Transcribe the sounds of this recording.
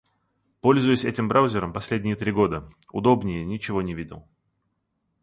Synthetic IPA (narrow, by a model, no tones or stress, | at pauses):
po̞lʲzʊjʊsʲɛtʲɪmbɾʔawʊzʲɪɾəmpɐsʲlʲedʲnʲɪjət̪ɾʲiɡo̞d̪ə | ʊ̰d̪o̞bnʲɪjənʲɪt͡ɕɪvo̞nʲɪvʲidʲɪ̰lˠ